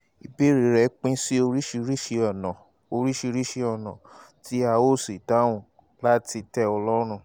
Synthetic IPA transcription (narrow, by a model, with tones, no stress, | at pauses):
i˧be˦ɾi˨ɾɛ˨˦k͡pĩ˦si˦o˧ɾi˦ʃi˧ɾi˦ʃe˧ɔ˨nã˨ | o˧ɾi˦ʃi˧ɾi˦ʃe˧ɔ˦˨nã̰˨ | ti˦a˧o˦˨si˨ta˨˦w̃ũ˦˨ | la˦ti˧tɛ˦ɔ˧lɔ˦ɾ̃ũ˦˨